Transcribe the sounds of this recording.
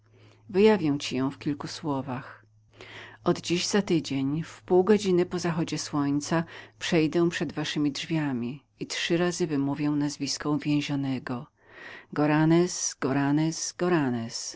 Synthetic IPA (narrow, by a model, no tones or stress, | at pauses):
vɘjavʲjɛ̃w̃t͡ɕijɔ̃w̃fkʲilkuswɔvax | ʔɔd̪d͡ʑiʑz̥at̪ɘd͡ʑeɲfpuwɡɔd͡ʑinɘpɔzaxɔd͡ʑɛswɔɲt̪sapʂɛjd̪ɛ̃w̃pʂɛd̪vaʂɘmʲidʐvʲjamʲi | itʂɘɾazɘvɘmuvʲjɛw̃nazvʲiskɔ̃w̃vʲjɛ̃w̃ʑɔnɛɡɔ | ɡɔɾanɛsɡɔɾanɛz̥ɡ̥ɔɾanɛs